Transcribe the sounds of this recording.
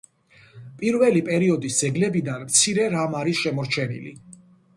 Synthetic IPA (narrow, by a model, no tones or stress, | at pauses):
pʼiɾvɛlipʼɛɾiɔd̪isd̪z̥ɛɡlɛbid̪anmt̪sʰiɾɛɾamaɾisʃɛmɔɾt͡ʃʰɛnḭlḭ